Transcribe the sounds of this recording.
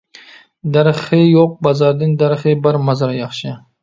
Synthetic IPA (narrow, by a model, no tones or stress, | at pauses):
d̪aɾχɪjoq̚bazaɾd̪ɪnd̪aɾχɪbaɾmazaɾjɑχʃɪ